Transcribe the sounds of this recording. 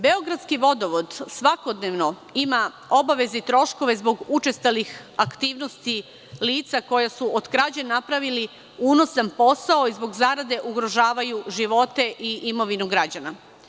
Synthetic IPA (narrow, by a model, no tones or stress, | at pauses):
be̞o̞ɡɾad̪skiʋo̞d̪o̞ʋod̪sʋako̞d̪neʋno̞ | ima | o̞baʋe̞zeit̪ɾo̞ʃko̞ʋe̞zbo̞ɡut͡ʃest̪alixakt̪iːʋno̞st̪i | liːt̪sako̞jasuod̪kɾad͡ʑenapɾaʋili | uːno̞sanpo̞sao̞izbo̞ɡzaːɾad̪e̞ʔuɡɾo̞ʒaːʋajuʒiʋo̞t̪e̞ʔiʔimo̞ʋinuɡɾad͡ʑana